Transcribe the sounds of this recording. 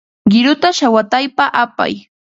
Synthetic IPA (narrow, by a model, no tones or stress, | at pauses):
ɢɪɾʊt̪aʃawat̪ajpaʔapa̰j